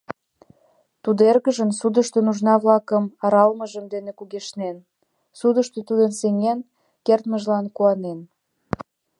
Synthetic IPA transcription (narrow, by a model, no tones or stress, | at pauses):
t̪ud̪erɣəʒəmsud̪əʃt̪enuʒnɑβlɑkəmɑɾɑlməʒəmd̪enekuɣeʃnen | sud̪əʃt̪øt̪ud̪ənseŋen | kert̪məʒlɑnkuɑnen